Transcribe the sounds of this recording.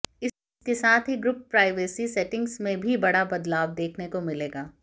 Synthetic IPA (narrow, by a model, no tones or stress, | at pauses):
ɪ | kesaːt̪ʰɦiɡɾʊpːɾaːɪʋeːsisɛʈɪ̃ŋɡsmẽbʱibɐɽabɐd̪laːʋd̪eːkʰnekomɪleːɡaː